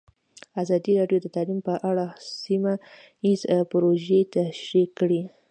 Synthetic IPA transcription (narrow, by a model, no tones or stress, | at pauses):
azɑd̪iɾɑɖjod̪ət̪alimpəʔaɽasima | izpɾoʒet̪aʃɾikːɽi